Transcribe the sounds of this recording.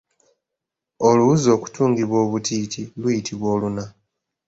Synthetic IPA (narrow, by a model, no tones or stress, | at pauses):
oluuzo̞ːku̥tuːŋɡiβwo̞ːβutiːtʰilwujitʰiβwo̞ːluna